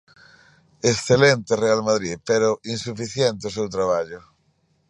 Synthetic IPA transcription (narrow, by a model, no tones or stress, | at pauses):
esθelent̪erealmaðɾipeɾoʔinsufiθjɛnt̪eosewt̪ɾaβ̞aʎʊ